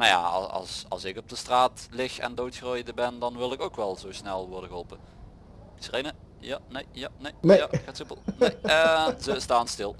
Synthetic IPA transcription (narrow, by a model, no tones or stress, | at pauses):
maja̰ɑ̰sɑ̰lˠsɪkɔb̚dəstraːtlɪxɛ̰ndowtxrojdəbɛndɑnʋɪlˠɪkowkʋɛlˠzowsnɛlˠʋɔɹdə̃nɣəɦolˠpə | srejnə | janejjanejejaxaːtsupəlˠnejzəstaːnstɪlˠ